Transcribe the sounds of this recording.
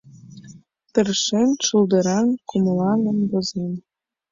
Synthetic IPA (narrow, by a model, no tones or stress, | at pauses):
t̪ə̆rʃenʲʃuld̪ɤ̆ɾɑnkumlɑnɤ̆nbozemʲ